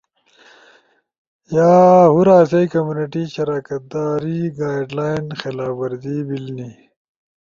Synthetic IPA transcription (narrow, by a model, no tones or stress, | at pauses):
jaːɦuɾaːsɐjkɐmjuːniʈiːɕɐɾaːkɐt̪̚d̪aːɾiɡaːjɖlaːinxelaːfbɐɾd̪iːbilni